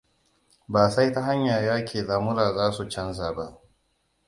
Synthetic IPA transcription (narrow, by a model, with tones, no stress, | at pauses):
baː˨sa˦jta˦ɦa˦ɲjaː˨jaː˦kʲʰeː˨zaː˨˦mʊ˦ɾaː˨zaː˦su˨t͡ʃɐ˦ns̬aː˨ba˦ʔ